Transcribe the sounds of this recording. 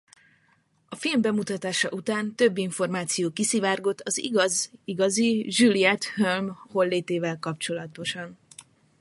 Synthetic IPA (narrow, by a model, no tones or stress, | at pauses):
ɒfilmbɛmut̪ɒt̪aːʃɒ̰ʔut̪aːnt̪ø̞bːiɱfo̞rmaːt̪sijoːkisivaːrɡo̞t̪ʰːɒzḭɡɒziɡɒziʒylijɛt̪hølmho̞lːeːt̪eːvɛlkɒpt͡ʃo̞lɒt̪o̞ʃɒn